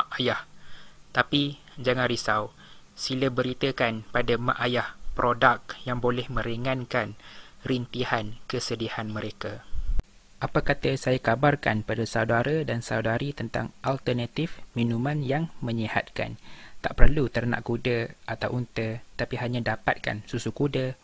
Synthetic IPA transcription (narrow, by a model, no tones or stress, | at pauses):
maʔajaht̪api | d͡ʒaŋãnɾisaw | siləbəɾit̪əkanpadama̰ʔajahpɾodak̚jaŋbolɛhmə̃ɾiŋãnkanrint̪ihankəsədihanmə̃ɾeka | ʔapakat̪əsajakabarka̰npadasawdaɾədansa̰wdaɾit̪ənt̪a̰ŋʔalt̪ərnat̪ifmĩnũmãnjaŋmə̃ɲəha̰t̪̚ka̰nt̪aʔpərlut̪ərna̰ʔkudəʔat̪awʔunt̪ət̪apiɦaɲãdapa̰t̪̚ka̰nsusukudə